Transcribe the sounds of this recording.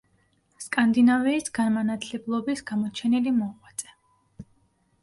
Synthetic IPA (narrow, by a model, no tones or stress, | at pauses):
skʼand̪inaviːsɡanmanat̪ʰlɛblˠɔbisɡ̥amɔt͡ʃʰɛnilimɔqʼwat̪sʼɛ̥